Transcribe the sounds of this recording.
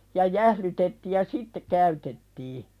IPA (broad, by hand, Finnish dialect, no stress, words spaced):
jɑ jæhlytetːi jɑ sitːe kæytetːiː